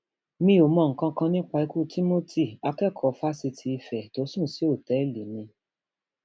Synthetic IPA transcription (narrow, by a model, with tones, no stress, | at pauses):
mĩ˧˦o˨mɔ̃˧˨ŋ̩˨kã˧kã˧nĩ˦k͡pa˧i˧ku˦˨tʰi˦mo˦ti˦˨a˧kɛ˦˨kʰɔ˨˦fa˦si˧tʰi˧i˧fɛ˨to˨˦sũ˦˨si˨˦o˦˨tɛ˨˦˨li˨mĩ˧